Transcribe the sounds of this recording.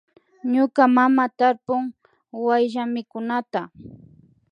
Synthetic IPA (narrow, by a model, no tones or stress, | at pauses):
ɲʊkamamat̪aɾpʊŋ | wajʒamɪkʊnat̪a